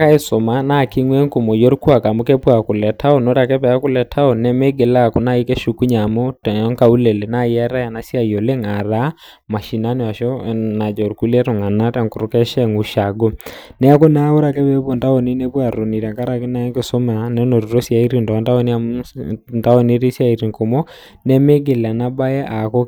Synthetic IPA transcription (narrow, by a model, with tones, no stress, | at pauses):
a˨ka˦i˦so˨ma˦na˦ki˦ŋwɛ˦ŋku˨mo˨jo˦ɾkwa˨ka˨mu˦kɛ˦pwa˨ku˨lɛ˨tʰa˦ɔ˨no˦ɾa˨kɛ˦pɛ˨ja˦kʊ˦lɛ˨tʰa˦o˨nɛ˦me˦ɡe˨la˦ku˨na˦i˦kɛ˦ʃu˨ku˦ɲa˨mo˦tŋka˦u˦le˨le˨na˦jɛ˦ɾa˦ja˨na˦sja˦˨jo˨le˦ŋa˨ða˦ | ma˨ʃi˨na˦ne˨a˨ʃɔ˦na˨d͡ʒa˨o˨ɾku˦lɛ˦to˨ŋa˨na˦ta˨ŋku˨ɾo˦kɛ˦ʃɛ˦ŋu˨ʃa˨ɡo˦nɛ˦a˦ko˦na˦o˦ɾa˨kɛ˦βe˦βwɔ˨nda˦o˨ni˦ne˦pwa˨ɾo˨ni˨ɾa˨ŋka˦ɾa˨ki˦na˦ɛ˦ŋke˨so˦ma˨nɛ˦no˨ɾuɾo˦sja˨i˦ɾi˨ndɔ˨a˨˦nta˦o˦ni˦amnda˦o˨ne˦ɾi˦sja˦˨i˨ɾi˨ŋko˨mɔ˦ | nɛ˦me˦ɡe˨la˨na˦ba˦jɛ˦ʔa˨ko˦